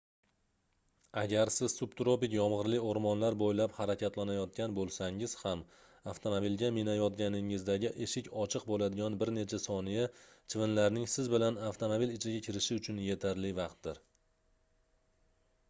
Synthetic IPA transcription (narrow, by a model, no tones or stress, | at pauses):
aɡʲaɾsɪz̥sub̚t̪ɾopɪkʲjɒmʁɨɾlɪoɾmɒnlaɾbojlaphaɾakʲʰat̪lanajɒt̪̚kʲanbolˠsaŋɪz̥ham | aft̪ʰo̞mobilɡʲamɪnajɒt̪̚ɡʲanɪŋɪzd̪aɡʲɪʔe̞ʃɪkʲɒt͡ʃʰɨqbolad̪ɪɡʲɒnbɪɾne̞t͡ʃʰasɒnijat͡ʃʰɪvɪnlaɾnɪŋsɪzbɪlanaft̪ʰomobilɪt͡ʃʰɪɡʲakʲʰɪɾɪʃɪʊt͡ʃʰʊnje̞t̪ʰaɾlɪvɑqt̪̚d̪ɪɾ